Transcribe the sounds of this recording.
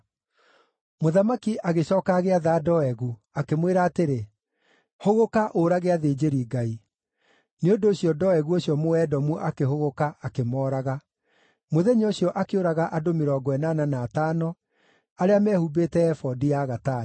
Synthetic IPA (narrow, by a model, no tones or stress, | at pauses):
moðamakiʔaɣeɕɔːkaɣeaðadɔɛɣu | akemweɾaːteɾe | hoɣokaʔoɾaɣeaðeːd͡ʑeɾiːɡai | neondoːɕiɔdɔɛɣuoɕjɔmoɛːdɔmuʔakeɦoɣokaakemɔːɾaɣa | moðɛɲoɕjɔʔakeoɾaɣaʔadomeɾɔːɡɔɛnananaːtaːnɔ | aɾeamɛhubetɛɛfɔdijaɣata